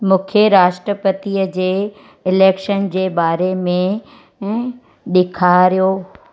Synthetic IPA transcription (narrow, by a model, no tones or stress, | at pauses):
mũːkʰjeɾaːʃʈɾəpət̪iəd͡ʑeː | ɪleːkʃənd͡ʑeːbaːɾemẽ | ɗɪkʰaɾijoː